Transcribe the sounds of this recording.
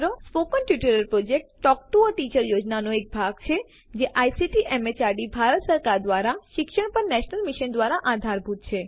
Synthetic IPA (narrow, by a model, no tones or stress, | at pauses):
ɾospokənʈjuʈəɾəɾpɾod͡ʒek̚ʈʈɔk̚ʈuəʈit͡ʃəɾjod͡ʒnanoek̚bʱaɡt͡ʃʰe | d͡ʒeʔajsiʈiʔɛmet͡ʃaɾɖibʱaɾət̪səɾkaɾd̪ʋaɾaʃɪkʃəɳpəɾnɛʃnəlmiʃənd̪ʋaɾaʔad̪ʱaɾbʱut̪t͡ʃʰe